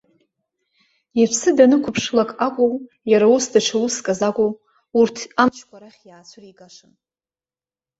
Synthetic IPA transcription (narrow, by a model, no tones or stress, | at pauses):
ipʰsɨdanɨkʷʰʊpʰʂlakʼakʷʼow | jaɾausdaʈ͡ʂʷʰawuskʼazakʷʼow | urtʰamt͡ʃʰkʷʰaɾaχʲjaːt͡sʷʰʊriɡaʂɨn